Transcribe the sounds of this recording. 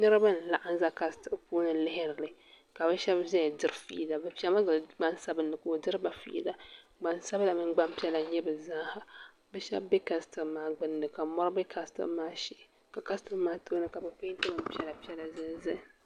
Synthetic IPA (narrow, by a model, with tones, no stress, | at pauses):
nɨ˦ɾɨ˦ba˦n̩˨la˨ʔa˦n˦za˦ka˦stɨ˨ʔpu˦nɨ˨lɪ˦hɪ˦ɾɨ˨lɨ˨ | ka˨bɛ˦ʃɛ˦bzɛ˦˨dɨ˦ɾɨ˦fḭ˦la˨bɛ˨pi˦ɛ˦ma˦ɡɡ͡ba˦nsa˦bɨ˨nːɨ˨ko˨dɨ˦ɾɨ˦ba˨fḭ˦ʔla˨ | ɡ͡ba˦nsa˦bla˨mɨ˦ŋ͡mɡ͡ba˦m˦pi˦ɛ˦la˨˦ɲɛ˦bɨ˨za˦ha˨ | bɛ˦ʃɛ̰˦bbɛ˦ka˦stɨ˨maː˨ɡ͡bɨ˦ndɨ˨ka˨mɔ˦ɾɨ˦bɨ˦kʰa˦stɨ̰˦maː˦ʃi˦˨ | ka˨ka˦stɨ˦maː˦to˦nɨ˦ka˨bɨ˨pe˦tɨ˦mɨ˦m˦pi˦ɛ˦la˨pi˦ɛ˦la˨zɨ˦zɨ˦˨